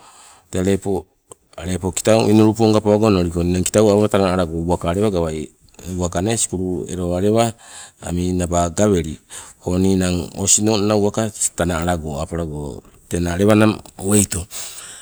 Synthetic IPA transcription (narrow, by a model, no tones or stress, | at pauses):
teaɾe̞po | aɾe̞po̞ki̥tawinoɾupuoŋɡapaaɡonoɾikoninaŋki̥tawaatanaɾaɡouakaːɾe̞βaɡaβaj | uakane̞si̥kuɾuḛɾoaɾe̞βaa̰minabaɡaβe̞ɾioninaŋo̰sino̞nnauakatanaːɾaɡoapaɾaɡo | tenaɾe̞βanamwejto